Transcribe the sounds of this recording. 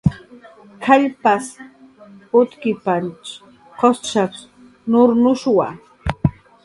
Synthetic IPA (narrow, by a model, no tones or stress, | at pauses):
kʰaʎpas | ʊt̪kɪpant͡ʃ | qost͡ʃak | nʊɾnʊʃwa̰